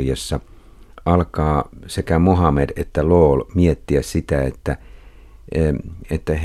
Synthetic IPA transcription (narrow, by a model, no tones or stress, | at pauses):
jɑsːɑ | ʔɑlkɑːsekæmoɦɑmedet̪ːæloːlmiet̪ːiæssit̪æet̪ːæ | et̪ːæh